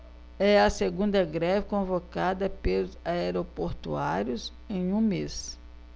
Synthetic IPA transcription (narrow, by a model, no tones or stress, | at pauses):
ɛɐseɡũnd̪ɐɡɾɛvɪkõvokad̪ɐpelʊzaeɾopoɾt̪ṵaɾjʊz | ẽj̃ũmes